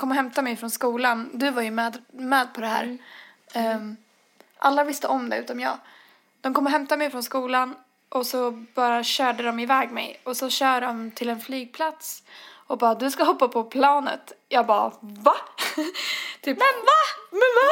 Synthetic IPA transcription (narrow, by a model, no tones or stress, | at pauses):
kʰɔmːɔɦɛmt̪amɛjfɾɔnskuːland̪ɵvaɾjɵmɛːd̪mɛːd̪̚pʰɔd̪ɛhæ̰ːɾ | ʔalːavɪst̪əʔɔmd̪ɛʉ̟ːt̪amjɑ̰ːɡ | d̪̥ɔmkʰɔmːɔɦɛmt̪amɛjfɾɔnskuːlan | ʔɔsɔb̥ɑːɾaɕœːɖəd̪ɔmɪvɛːɡmɛ̰jɔsɔɕœːɖɔmt̪ʰɪlɛnflyːɡ̚pʰlat̪sɔbɑːd̪ɵskaɦɔpːapʰɔpʰlɑːnə̰t̪jɑːɡbɑ̰ːva | t̪ʰyːp̪vamɛva